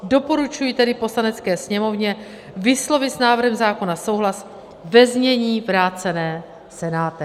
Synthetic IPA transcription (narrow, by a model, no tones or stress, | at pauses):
do̞po̞ɾut͡ʃujiːt̪ɛdɪpo̞slanɛt͡skɛːsɲɛmo̞vɲɛ | vɪslo̞vɪsnaːvr̩ɦɛmzaːko̞naso̞wɦlas | vɛzɲɛɲiːvɾaːt͡sɛnɛː | sɛnaːt̪ɪ